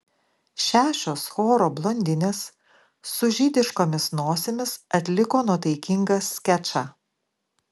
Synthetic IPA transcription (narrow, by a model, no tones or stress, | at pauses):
ʃʲæːʃʲoːsxoːɾoːblˠɔnʲd̪ʲɪnʲeːsː | ʊʒʲid̪ʲɪʃkoːmʲɪsnoːsʲemʲɪsɐt̪ʲlʲɪkoːnuɔt̪ɐɪkʲɪŋɡɐskʲæt͡ʃɑː